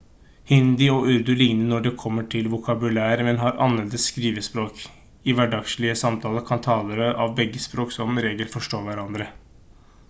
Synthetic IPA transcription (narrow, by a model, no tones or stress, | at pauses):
hɪnd̪ɪɔʔʉɾd̪ʉlɪŋnənɔɖɛkʰɔmːəʈʰɪlʋʊkʰɑbʉlæːɾəmɛnɦɑɾʔɑ̰nlɛld̪əsskɾiːʋəspɾoːk | ɪʋæɖɑɡʂɭɪəsɑmt̪ʰɑːləkʰɑnt̪ʰɑːləɾəʔɑʋbɛɡːəspɾoːksɔmɾeːɡəlfɔʂʈoːʋæɾɑnd̪ɾə